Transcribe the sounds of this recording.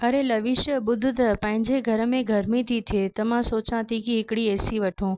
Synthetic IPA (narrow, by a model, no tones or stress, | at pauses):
ɐɾelɐʋɪʃjəɓʊd̪ʱɪt̪ɐpɐ̃ɦɪ̃ɲd͡ʑeɡʱɐɾə̆mẽɡʱɐɾmĩt̪ʰit̪ʰiet̪ɐm̤ãsoːt͡ɕãt̪ʰikiɦɪkɪɽieːsiʋɐʈʰũː